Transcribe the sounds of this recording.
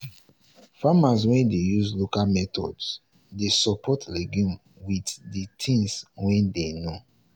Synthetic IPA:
famas̬wɛ̃ndejuzlokamɛtʰɔ̰ds | desɔpʰɔtlɛɡũm | widditʰĩŋswɛ̃ndeno

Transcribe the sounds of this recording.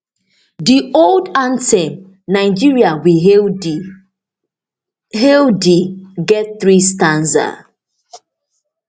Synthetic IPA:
dioldãntɛm | naɪd͡ʒiɹiawi | ɦɛldiɡɛt̚θɾistãnza̰

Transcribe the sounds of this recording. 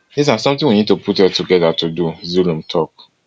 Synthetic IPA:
dis̬asɔ̃mt̪ĩŋwinid̚tupʰutɛtuɡɛdatuduzulũmtʰɔk

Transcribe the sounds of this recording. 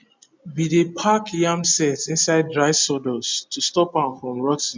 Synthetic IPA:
bidepʰakjãmsɛtĩnsaɪd̚dɹaɪsɔdɔstʰustɔpãnfɹɔ̃mɹɔtɪn

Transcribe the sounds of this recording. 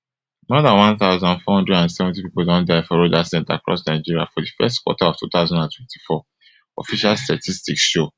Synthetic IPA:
mɔdãnwãnθaʊzɔ̃ndfɔhɔ̃ndɹɛdãnsɛvɔ̃ntipipodɔ̃ndaɪfɔɾodasɛ̃nta̰kɹɔ̰snaɪd͡ʒiɾia̰fɔdifɛ̰stkwɔ̰taɔftut̪aʊzɔ̃ndãntwɛ̃nti̥fɔ | ɔ̰fiʃalstatʰistiksʃo

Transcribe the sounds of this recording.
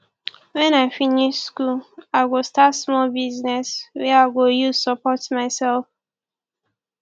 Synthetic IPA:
wɛ̃naɪfiniʃskulaɪɡostatsmɔlbiznɛswɛaɪɡojusəpɔtmaɪsɛlf

